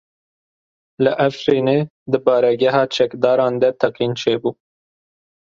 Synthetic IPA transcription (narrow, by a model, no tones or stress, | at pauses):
ləʔæfɾiːneː | d̪ɨbɑːɾɛɡɛɦɑːt͡ʃʰɛkd̪ɑːɾɑ̃ːnd̪ɛt̪ʰɛqiːnt͡ʃʰeːbuː